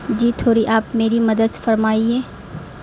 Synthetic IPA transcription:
d͡ʒiːt̪ʰoːɾiʔaːpmeːɾimɐd̪əd̪fɐɾmaːieː

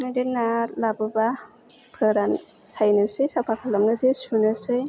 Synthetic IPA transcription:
nadenːalabɯba | pʰɯɾansajnɯsɯjsapʰakʰalamnɯzesunɯsɯj

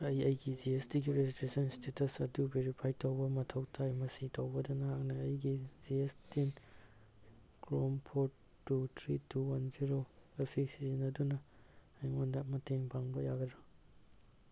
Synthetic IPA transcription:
ɐjɐjɡiziestiɡiɾezitesɐnstetɐsɐdubeɾipʰajtʰɐwbɐmɐtʰɐwtʰajmɐsitʰɐwbɐdɐnɐhak̚nɐːjɡiziestin | kɾompʰo | tːutʰɾituwanziɾoepʰik̚sizinɐdunɐ | ajŋondamɐteŋbaŋbojaɡɐdo

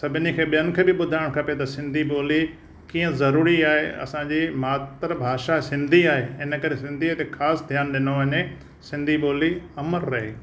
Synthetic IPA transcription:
sɐbʱɪnikʰeːɓijənʊ̆kʰeːbɪɓʊd̪ʱaːɪɽ̃kʰɐpet̪ɐsɪ̃nd̪ʱiboːli | kiːə̃zɐɾuːɾiaːɦḛɐ̰sãɲd͡ʑimaːt̪ɾbʱaːʃasɪ̃nd̪ʱiaːɦeɪnə̆kɐɾesɪ̃nd̪ʱiət̪exaːsd̪ʱjaːnɗɪnoʋɐɲe | sɪ̃nd̪ʱiɓoːliɐməɾɾɐɦeː

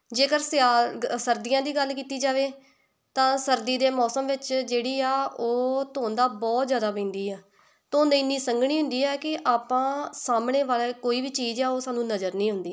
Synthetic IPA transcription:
d͡ʒeːkəɾsasəɾd̪ijãːd̪iːɡəlkiːt̪iːd͡ʒaːʋeː | t̪ãːsəɾd̪iːd̪eːmɔːsəmʋɪt͡ʃd͡ʒeːɽiːɛːoːt̪oːnd̪aːbɔːt̪zjaːd̪aːpẽːnd̪iːɛː | t̪õːnd̪aːɪnːiːsəŋɡɽ̃iːɦʊ̃nd̪iːɛːkɪʔaːpãːsaːmɳeːʋaːleːkoːiːbiːt͡ʃiːzɛːoːsaːnũːnəzəɾnĩːɦʊ̃nd̪iː

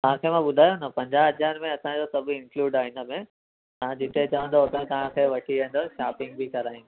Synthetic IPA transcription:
t̪ɐɦãkʰemãɓʊd̪ʱaːjonɐpɐ̃ɲd͡ʑaɦɐd͡ʑaːɾmẽɐsãd͡ʑosɐb̆ʱɪ̃nkluːɖaːɦɪnə̆mẽ | t̪ɐʋ̤ãd͡ʑɪt̪ʰet͡ɕɐʋə̃nd̪ot̪ət̪ɐʋ̤ãkʰeʋɐʈʰiɐ̃nd̪əɾʃaːpɪ̃ŋɡ̚bʱikɐɾaːĩ

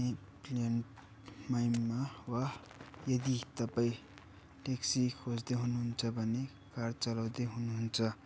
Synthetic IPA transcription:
e | plenʈ | majmmːawa | jʌd̪it̪ʌpai | ʈeksikʰod͡zd̪eɦunuɦunt͡sʰʌbʱʌne | kaɾt͡sʌlawd̪eɦunuɦunt͡sʰʌ

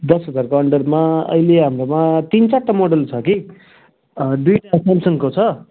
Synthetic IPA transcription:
d̪ʌsɦʌd͡zarkoʌɳɖʌrmaʌ̰jleɦamɾomat̪int͡saʈːamoɽʌlt͡sʰʌki | ɖujʈasamsʌŋkot͡sʰʌ

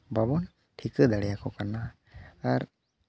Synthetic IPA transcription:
babɔn | ʈʰikəd̪aɽɛjakɔkaɾnaː | ɾ

